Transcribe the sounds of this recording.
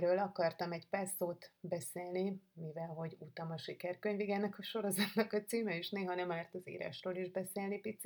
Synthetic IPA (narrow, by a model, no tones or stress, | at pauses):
ɾøːlɒkɒrt̪ɒmɛɟpɛsːoːt̪bɛseːlnimivɛlɦo̞ɟut̪ɒmɒʃikɛrkøɲviɡɛnɛkɒʃo̞ɾo̞zɒt̪nɒkɒt̪siːmɛeʃneːɦɒnɛmaːrt̪ɒzḭːɾa̰ːʃrøːliʒbɛseːlnipit̪si